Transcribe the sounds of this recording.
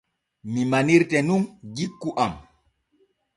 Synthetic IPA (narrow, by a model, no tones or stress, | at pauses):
mimaniɾtɛnunɡikːuʔam